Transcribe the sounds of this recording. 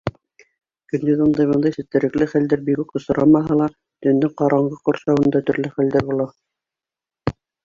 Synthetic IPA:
kɵ̆nd̪ɘzɤnd̪ɑjβɤ̆nd̪ɑjsɘ̆t̪ːɘ̆ɾɘ̆klɘχæld̪æɾbikukŏsɤ̆ɾʔɑmɑɦɑlˠɑ | t̪ɵ̆nd̪ɘɴqɑɾɑɴɢɤqŏɾsɑwɤ̆nd̪ɑt̪ɵ̆ɾlɘχæld̪æɾbulˠɑ

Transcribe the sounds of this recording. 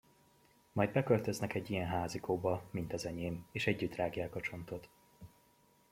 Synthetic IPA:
mɒjd̪̚bɛkølt̪ø̞znɛkɛɟːijɛnɦaːzikʰoːbɒmint̪ɒzɛɲeːmeːʃɛɟːyt̪raːɡjaːkɒt͡ʃo̞nt̪o̞t̪

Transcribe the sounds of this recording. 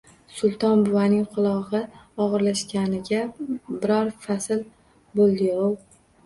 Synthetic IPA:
sʊlˠt̪ʰɒnbʊwanɪŋqʰʊlˠɒʁɨɒʁɨɾlaʃkʲanɪɡʲabɪɾɒɾfasɪl | bolˠd̪ɪow

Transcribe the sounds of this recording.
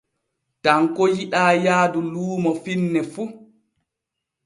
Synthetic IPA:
taŋkɔjiɗaːjaːduluːmɔfinːɛfu

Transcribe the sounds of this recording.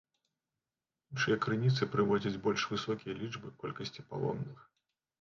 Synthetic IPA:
inʂɨjɐkɾɨnʲit̪sɨpɾɨvɔd͡zʲɐd͡zʲbɔlʲʂvɨsɔkʲijɐlʲibɨkɔlʲkɐsʲt͡sʲipa̰lˠɔ̰mnɨx

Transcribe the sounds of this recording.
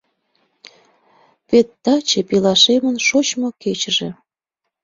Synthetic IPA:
pet̪ːɑt͡ɕepilɑʃemənʃot͡ɕmoket͡ɕəʒe

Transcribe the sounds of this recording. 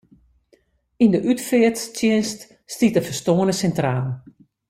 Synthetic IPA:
indəʔytfɪəttjɪnst | stitəfəstoːənəsɛntraːlˠn

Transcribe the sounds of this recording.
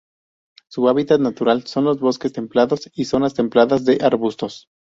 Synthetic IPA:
suaβit̪at̪nat̪uɾalso̞nlo̞zβo̞ske̞st̪e̞mplaðo̞siso̞nast̪e̞mplaðazðe̞ʔaɾβust̪o̞s

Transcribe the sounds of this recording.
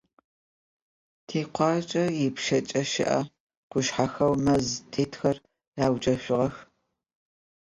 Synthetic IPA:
tʰeːqʷɑːt͡ʃʼɐjɪpʃɐt͡ʃʼɐʃɪ̰ʔɐ̰ | qʷʊʃħaxɐwmɐztʰeːtʰxɐr | raːwt͡ʃʼɐɕʷʊʁɐx

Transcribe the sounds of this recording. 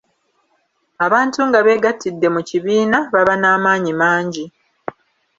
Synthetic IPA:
aβaːntuŋɡaβe̞ːɡatʰːidːe̞muciβiːnaβaβanaːmaːɲimaːɲɟi

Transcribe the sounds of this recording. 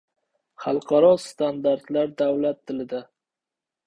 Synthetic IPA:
χɑlˠqʰɑɾɒst̪and̪aɾt̪laɾd̪awlat̪ʰːɪlɪd̪a

